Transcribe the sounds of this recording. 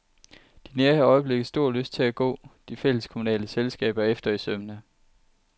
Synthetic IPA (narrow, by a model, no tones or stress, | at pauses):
d̥ineɐhɑ̈ɒ̽ɪəb̥le̝ɡ̥ð̩ˠsd̥o̝ɐ̰løsd̥̚t͡sʰe̝æɡ̥ɔ̰̽ːd̥ifel̰əskʰo̝munɛ̰ːləselsɡ̥ɛ̰ːb̥ɐefd̥ɐisømənæ